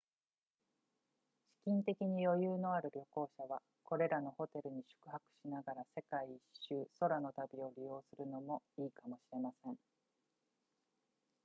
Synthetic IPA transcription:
ɕi̥kʲĩnt̪e̞kʲiɲ̟ijo̞jɯːno̞aɾɯ̟ɾʲo̞ko̞ːɕaβa | ko̞ɾe̞ɾano̞ho̞t̪e̞ɾɯ̟ɲ̟iɕɨ̥kɯ̟hakɯ̟̥ɕinaɡaɾase̞kaiːɕːɨːso̞ɾano̞t̪abʲio̞ɾʲijo̞ːsɨɾɯ̟no̞mo̞iːkamo̞ɕiɾe̞masẽ̞ŋ

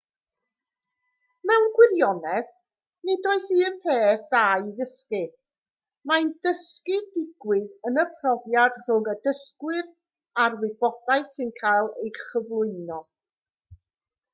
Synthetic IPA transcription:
mɛwnɡwɪɾjɔnɛð | nedɔɨsiəpʰeːθðajðəskɪ | mandəskɪdɪɡwɪðənəpʰrɔvjad̥r̥ʊŋədəskwɪr | arwɪbɔd̥aɨsɪnkʰajlˠejχəvlˠʊɨnɔ

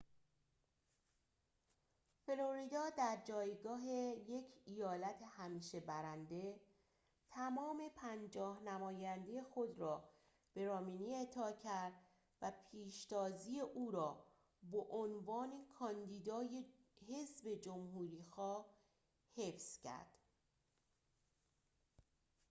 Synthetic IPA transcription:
fe̞loɾid̪ɒːd̪æɾd͡ʒɒːjɡɒːɦe̞je̞cʰijɒːlæt̪ʰehæmiːʃe̞bæɾænd̪e̞ | t̪ʰæmɒːme̞pʰænd͡ʒɒːhnæmɒːjænd̪e̞jexo̞d̪ɾɒː | b̥e̞ɾɒːminiːe̞t̪ʰɒːcʰæɾd̪̥ | væpʰiːʃt̪ɒːziːe̞ʔuːɾɒː | boʔonvɒːnekʰɒnd̪iːd̪ɒːjehe̞zbe̞d͡ʒomhuːɾiːxɒːh | he̞fscʰæ̰ɾd̪̥

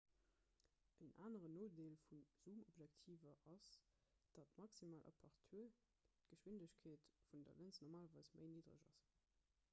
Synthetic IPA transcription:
əna̰ːnəʁənoːdeːlfunz̥umobʒɛktʰiːvɐʔɑs | d̥ɑtmɑksimaːlʔɑ̰pʰɑʁtʰuə | tɡ̥əʃwindəɕkʰeːtfundɐ̰lənt͡snoʁmaːlɐvɑɪsmʔə̰ɪniːdʁə̰ʒɑ̰s

